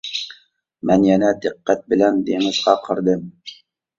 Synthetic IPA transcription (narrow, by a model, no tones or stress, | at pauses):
mɛnjɛnɛd̪ɪqːæt̪̚bɪlɛnd̪eŋɪzʁɑqʰəɾd̪ɨm